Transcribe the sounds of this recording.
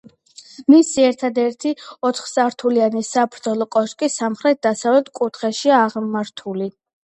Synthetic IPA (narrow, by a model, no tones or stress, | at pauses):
misiɛɾt̪ʰad̪ɛɾt̪ʰiɔt̪χsaɾt̪ʰulianisapʰɾd̪zɔlˠɔkʼɔʃkʼisamχɾɛt̪̚ʰd̪asavlɛt̪̚ʰkʼut̪ʰχɛʃiaːʁmaɾt̪ʰuli